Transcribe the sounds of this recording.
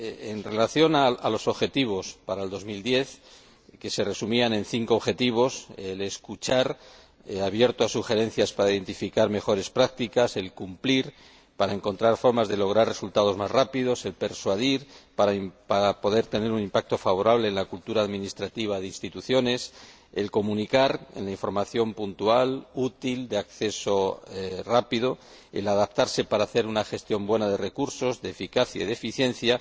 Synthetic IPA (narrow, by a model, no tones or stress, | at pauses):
enre̞laθjo̞naalo̞so̞βxe̞t̪iβ̞o̞spaɾaeld̪o̞zmild̪je̞θ | ke̞se̞re̞sumianẽ̞nθiŋkoːβxe̞t̪iβ̞o̞sele̞skut͡ʃaɾ | aβje̞ɾt̪oasuxe̞ɾe̞n̟θjaspaɾaiðe̞nt̪ifikaɾme̞xo̞ɾe̞spɾak̚t̪ikase̞lkumpliɾ | paɾaeŋko̞nt̪ɾaɾfo̞ɾmazðe̞lo̞ɣ̞ɾare̞sult̪að̞o̞zmazrapiðo̞se̞lpe̞ɾswaðiɾpaɾapaɾapo̞ðe̞ɾt̪e̞ne̞ɾunimpak̚t̪o̞faβ̞o̞ɾaβle̞ːnlakult̪uɾaːðminist̪ɾat̪iβ̞aðeinst̪it̪uθjo̞ne̞s | e̞lko̞munikaɾḛnlaĩɱfo̞ɾmaθjo̞mpunt̪ualut̪ild̪eakθe̞so̞rapiðo̞ | ḛlaðap̚t̪aɾse̞paɾaːθe̞ɾunaxe̞st̪jo̞mbwe̞nað̞e̞re̞kuɾso̞zðe̞ːfikaθjaiðefiθje̞nθja